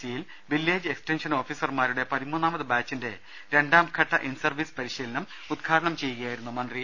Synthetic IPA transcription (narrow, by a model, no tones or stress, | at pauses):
sijil | ʋilːeːd͡ʑɨeksʈenʂɐno̞ːfisɐrmaːɾuɽe̞pɐðimuːnːaːmɐðɨbaːt͡ɕːinde̞ | ɾe̞ɳɖaːmkʰɐʈːɐʔinsɐrʋisɨ̥pɐɾiɕiːlɐnɐm | ud̪̚kʰaːɾɐɳɐmt͡ɕe̞jːuɣɐjaːjiɾunːumɐnd̪ri